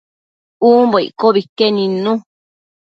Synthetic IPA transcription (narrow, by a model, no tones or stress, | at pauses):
uːmboḭkoβikenĩnũ